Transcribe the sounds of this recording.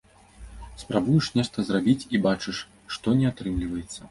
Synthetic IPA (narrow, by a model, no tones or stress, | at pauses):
spɾabujɛʂnʲɛʂt̪ɐzrabʲit͡sʲibat͡ʂɨʂ | ʂt̪ɔnʲɛat̪ɾɨmlʲivɐjɛt̪sːɐ